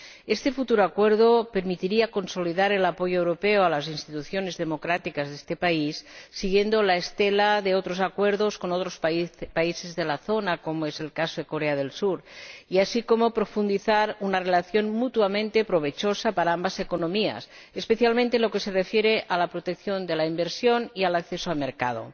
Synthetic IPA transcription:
est̪e̞fut̪uɾoakweɾðope̞ɾmit̪iɾiako̞nso̞liðaɾe̞lapo̞ʝoewɾopeoalas̬inst̪it̪uθjo̞ne̞zðe̞mo̞kɾat̪ikazðest̪e̞paisːiɣje̞nd̪olaest̪elaðe̞ot̪ɾosakwe̞ɾðo̞sko̞not̪ɾospaise̞zðelaθo̞nako̞moe̞se̞lkasoðe̞ko̞ɾeað̞e̞lsuɾiasikomopɾo̞fund̪iθaɾunarelaθjo̞nmut̪uamẽnt̪e̞pɾoβ̞e̞t͡ʃosapaɾaambasekonõ̞mia̰s | espeθjalmẽnt̪enloke̞serefjeɾeʔalapɾot̪ekθjo̞nd̪elaimbeɾsjo̞nialakθesoalmeɾka̰ð̞o̰

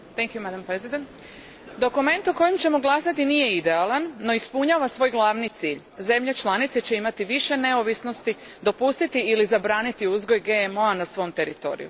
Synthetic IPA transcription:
t̪ɛŋkjumad̪ampɾezid̪ent̪ | d̪o̞kume̞nt̪oko̞jimt͡ɕe̞mo̞ɡlˠaːsat̪inije̞id̪e̞alˠanːo̞ispuɲaːʋasʋo̞jɡlˠaʋnit̪siːʎ | ze̞mʎet͡ʃlˠanit̪set͡ɕe̞imat̪iʋiʃe̞ne̞oʋisno̞st̪i | d̪o̞pust̪it̪iilizabɾaːnit̪iuzɡo̞jɡe̞emo̞anasʋo̞mt̪e̞ɾit̪o̞̰ːɾḭjṵ

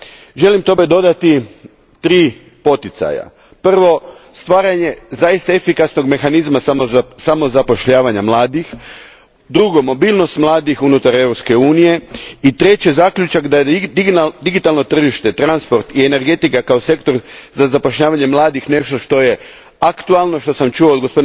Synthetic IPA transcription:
ʒe̞limt̪o̞be̞d̪o̞d̪at̪i | t̪ɾiː | po̞t̪it̪sa̰ja̰ | pr̩ʋo̞st̪ʋaːɾaɲe̞zaist̪aefikasno̞ɡme̞xanizmasamosamo̞zapo̞ʃʎaːʋaɲamlˠaːd̪ix | d̪ɾuɡo̞mo̞biːlˠno̞st̪mlˠaːd̪ixunut̪aɾe̞wɾopske̞uːnije̞it̪ɾe̞t͡ɕe̞zakʎut͡ʃakd̪ajed̪d̪iɡit̪alˠno̞t̪r̩ʒiʃt̪e̞t̪ɾanspo̞ɾt̪iene̞ɾɡe̞t̪ikakaose̞kt̪o̞ɾzazapo̞ʃʎaːʋaɲe̞mlˠaːd̪ixne̞ʃt̪o̞ʃt̪o̞je̞ | akt̪ualˠno̞ʃt̪o̞samt͡ʃuoːd̪ɡospod̪

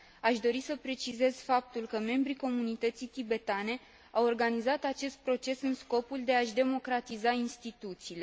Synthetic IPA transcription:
aʃd̪o̞ɾisəpɾe̞t͡ʃize̞z̥fap̚t̪ulkəme̞mbɾiko̞munit̪ət̪sit̪ibe̞t̪ane̞ | awo̞rɡanizat̪at͡ʃe̞st̪̚pɾo̞t͡ʃe̞sɨnsko̞puld̪e̞aʃd̪e̞mo̞kɾat̪izainst̪it̪ut̪siːle̞

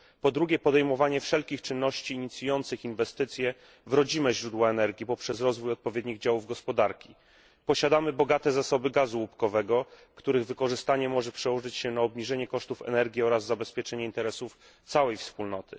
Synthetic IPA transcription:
pɔd̪ɾuɡʲɛpɔd̪ɛjmɔvaɲɛfʂɛlkʲixt͡ʂɘnːɔɕt͡ɕiːɲit̪sʲjujɔnt̪sɘxinvɛst̪ɘt̪sʲjɛ | vɾɔd͡ʑimɛʑɾud̪waɛnɛɾɡʲipɔpʂɛsɾɔzvujɔt̪̚pɔvʲjed̪ɲiɣd͡ʑawuvɡɔspɔd̪aɾkʲi | pɔɕad̪amɘbɔɡat̪ɛzasɔbɘɡazuupkɔvɛɡɔ | kt̪uɾɘɣvɘkɔʐɘst̪aɲɛmɔʐɛpʂɛwɔʐɘt͡ɕɕɛnaɔbɲiʐɛɲɛkɔʂt̪ufɛ̰nɛɾɡʲiɔɾazːabɛspʲjɛt͡ʂɛɲɛint̪ɛɾɛsuf | t̪sawɛjfspulnɔt̪ʰɘ̥

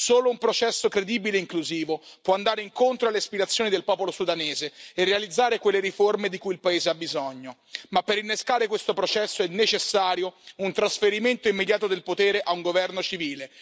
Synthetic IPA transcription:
soːloumpɾot͡ʃɛsːokɾed̪iːbileiŋkluziːvopwɔand̪aːɾeiŋkont̪ɾoalːeaspiɾat̪sːjoːnid̪elpɔːpolosud̪aneːzeːrːealid̪zːaːɾekwelːeɾiformed̪ikujilpaeːzeabːizɔɲːomapːeɾinːeskaːɾekwest̪opɾot͡ʃɛsːoɛnːet͡ʃesːaːɾjount̪ɾasfeɾiment̪oimːed̪jaːt̪od̪elpot̪eːɾeʔauŋɡovɛrnot͡ʃiviːle

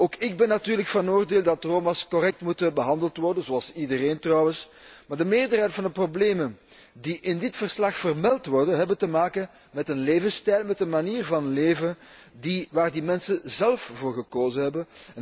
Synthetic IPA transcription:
oːkɪɡ̚bɛnːatyːrləkfɑnoːrdeːlˠdɑtroːmaskɔrɛk̚tmutəbəɦɑndəlˠtʋɔrdənzoɑlˠsidəɾeːntrɑwəs | maːrdəmeːrdərɦɛjtfɑndəprobleːmən | diʔɪndɪtfərslɑxfərmɛlˠtʋɔrdənɦɛbəntəmaːkən | mɛtənleːvənstɛjlˠmɛtənmaniːrvɑnleːvən | diʋaːrdimɛnsənzɛlˠfvoːrɣəkoːzəɦɛbən

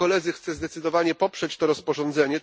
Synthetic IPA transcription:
ɔlɛd̪zɘxt̪sɛzd̪ɛt̪sɘd̪ɔvaɲɛpɔpʂɛt͡ɕt̪ɔɾɔspɔʐɔ̃nd̪zɛɲɛ

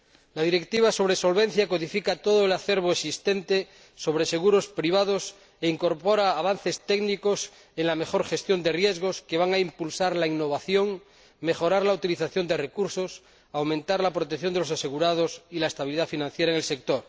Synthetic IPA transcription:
laðiɾe̞kt̪iβaso̞β̞ɾeso̞lβe̞n̟θjakoðifikat̪oðoelaθeɾβoesist̪ent̪e | so̞βɾese̞ɣuɾo̞spɾiβ̞aðos | eiŋko̞ɾpoɾaːβ̞an̟θe̞st̪eɡnikos | eŋlame̞xo̞ɾχe̞st̪jo̞nd̪e̞rje̞zɣ̞o̞ske̞βaŋaimpulsaɾlainːoβ̞aθjo̞ŋ | me̞xo̞ɾaɾlaut̪iliθaθjo̞nd̪ere̞kuɾsos | awmẽnt̪aɾlapɾot̪ekθjo̞nd̪elosase̞ɣuɾað̞osilaest̪aβiliðafinãn̟θjeɾaeŋelsek̚t̪oɾ

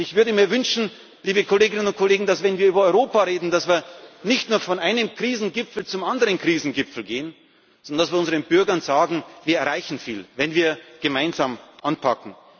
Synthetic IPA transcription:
ɪçv̥ʏɐdəmiːɐvʏnʃn̩ | liːbəkʰoleːɡɪnənʊnt̚kʰoleːɡŋ̩dasv̥ɛnviːɐyːbɐɔʏʁoːpaʁeːdn̩dasv̥iːɐnɪçtnuːɐfɔnʔaɪnəmkʁ̥iːzn̩ɡɪpfl̩t͡sʊmandəʁənkʁ̥iːzn̩ɡɪpfl̩ɡeːən | ɔndɐnd̥asv̥iːɐʊnzəʁənbʏɐɡɐnzaːɡŋ̩viːɐɛɐʁaɪçn̩fḭːlvɛnviːɐɡ̥əmaɪnzaːmʔanpʰakŋ̩

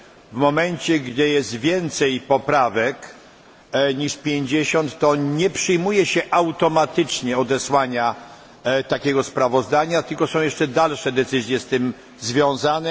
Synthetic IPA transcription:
vmɔmɛnt͡ɕɛɡd̪ɘjɛst̪vʲjɛnt̪sɛjpɔpɾavɛk | ɲiʂpʲjeɲd͡ʑeɕɔnt̪ːɔɲɛpʂɘjmujɛɕɛʔawt̪ɔmat̪ɘt͡ʂɲɛɔd̪ɛswaɲa | t̪akʲɛɡɔspɾavɔzd̪aɲat̪ɘlkɔsɔ̃w̃jɛʂt͡ʂɛd̪alʂɛd̪ɛt̪sɘzʲjɛst̪ɘm | zvʲjɔ̃w̃zanɛ

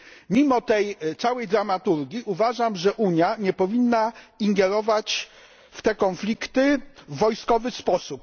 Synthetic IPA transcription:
mʲimɔt̪ɛjt̪sawɛjd̪ɾamat̪uɾɡʲiʔuvaʐamʐɛʔuɲjaɲɛpɔvʲinːaiŋɡɛɾɔvat͡ɕ | ft̪ɛkɔnflʲikt̪ɘːɔjskɔvɘspɔsup̚

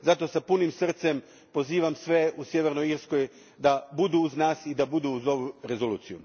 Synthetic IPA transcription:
zat̪o̞sapunimsr̩t̪se̞m | po̞ziːʋamsʋe̞usje̞ʋe̞ɾnoiɾsko̞j | d̪abud̪uːznaːsid̪abud̪uuzo̞ʋuɾe̞zo̞luːt̪sijṵ

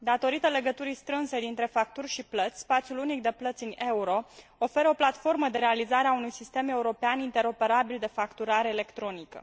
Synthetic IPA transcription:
d̪at̪o̞ɾit̪ele̞ɡət̪uɾist̪ɾɨnse̞d̪int̪ɾe̞fak̚t̪urʲʃiplət̪sʲspat̪sijulunik̚d̪e̞plət̪sʲine̞uɾo̞ofe̞ɾəo̞plat̪fo̞rməd̪e̞ɾe̞alizaɾeaunujsist̪e̞me̞uɾo̞peanint̪e̞ɾo̞pe̞ɾabild̪e̞fakt̪uɾaɾeːle̞kt̪ɾo̞nikə̰

